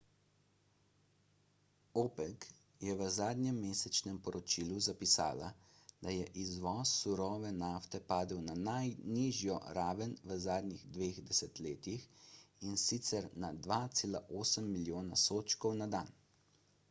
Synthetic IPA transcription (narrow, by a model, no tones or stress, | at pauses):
oːpɛk | jɛʋəzaːd̪nɲjɛmːeːsɛt͡ʃnɛmpɔɾɔt͡ʃiːluzapisa̰ːla̰ | d̪ajɛʔizʋɔːsːuɾɔːʋɛnaːft̪ɛpaːd̪əwnanajniːʒjɔ̰ɾaːʋənʋəzaːd̪ɲiɣd̪ʋeːɣd̪ɛsɛt̪leːt̪ixinsit̪sɛɾnad̪ʋaːt̪seːlaʔoːsəmːiljoːnasoːt͡ʃkɔwnad̪aːn